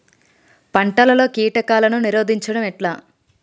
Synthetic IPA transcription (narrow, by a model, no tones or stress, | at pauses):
pɐɳʈɐlɐlo̞ːkiːʈɐkaːlɐnuniɾo̞ːd̪iɲt͡ʃɐɽɐmɛʈlaː